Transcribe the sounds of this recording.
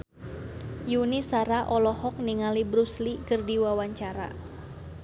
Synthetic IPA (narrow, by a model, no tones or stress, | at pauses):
junisaɾaʔɔlɔhɔk̚niŋalibɾuslikərdiwawaɲt͡ʃaɾa̰